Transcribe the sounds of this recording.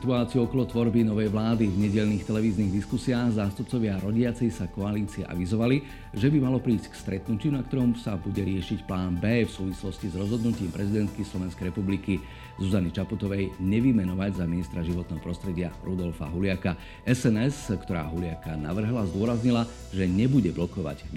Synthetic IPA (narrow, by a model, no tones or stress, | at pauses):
sit̪uaːt͡siuɔkɔlɔt̪ʋɔɾbinɔʋɛjʋlaːd̪ivɲɛɟɛʎniːxt̪ɛlɛʋiːzniːɣd̪iskusiaːɣzaːst̪up̚t͡sɔʋɪaɾɔɟɪat͡sɛjsakɔaliːt͡siɛ̰ʔa̰ʋizɔʋali | ʒɛbimalɔpɾiːsckst̪ɾɛt̪nucɪunak̚t̪ɔɾɔmsabuɟɛɾɪɛʃicplaːnbɛːfsuːʋislɔscizɾɔzɦɔd̪nuciːmpɾɛzid̪ɛnt̪̚kislɔʋɛnskɛjɾɛpubliki | zuzanit͡ʃaput̪ɔʋɛjɲɛʋimɛnɔʋaɟzaminist̪ɾaʒiʋɔt̪̚nɛːɦɔpɾɔst̪ɾɛɟɪaɾud̪ɔlfa̰ɦulɪaka | ʔɛsɛnɛskt̪ɔɾa̰ːɦulɪakanaʋr̩ɦlazd̪ʊɔɾazɲila | ʒɛɲɛbuɟɛblɔkɔʋa̰ɟ